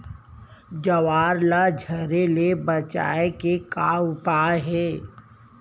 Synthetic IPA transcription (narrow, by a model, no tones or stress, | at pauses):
d͡ʒəʋaːɾlad͡ʒʱəɾelebət͡ʃa̰ːekekaːʊpaːɦɛː